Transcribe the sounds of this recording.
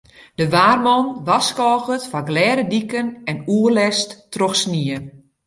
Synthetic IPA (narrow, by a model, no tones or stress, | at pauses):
d̥əʋaːrmɔnʋaskɔːɣətfaɡlɛːɾədikənɛnuərlɛsttrɔxsniə